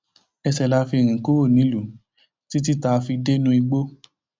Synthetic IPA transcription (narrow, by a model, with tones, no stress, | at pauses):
ɛ˧sɛ˨la˨˧fi˧˨ɾ̃ĩ˨ku˦wo˦˨nĩ˨˦lu˨˦ | ti˦t̬i˦ta˧fi˧de˦nũ˦i˧ɡ͡bo˦